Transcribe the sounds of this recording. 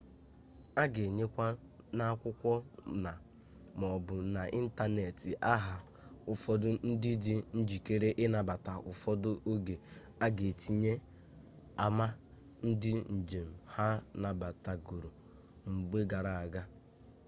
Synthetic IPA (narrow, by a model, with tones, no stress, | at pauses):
a˦ɡe˨ɲe˦kʷa˦ | na˦a˦kʷʊ˦kʷɔ˦na˨ | mɔ˨bʊ˨na˨ʔi˦n̩˦ta˦ne˨ti˨ʔa˦ɦa˨ | ʊ˨fɔ˦dʊ˦n̩˦dɪ˦dɪ˦n̩˦d͡ʒi˨ke˦ɾe˦ʔɪ˦na˨ba˨ta˨ʔʊ˨fɔ˦dʊ˦ʔo˦ɡe˨ | a˦ɡe˨ti˨ɲe˦ | a˨ma˦ | n̩˦dɪ˦n̩˨d͡ʒe˨m̩˨ha˦na˨ba˨ta˨ɡu˨ɾo˨ | ŋ͡m̩˨ɡ͡be˦ɡa˨ɾa˨a˨ɡa˦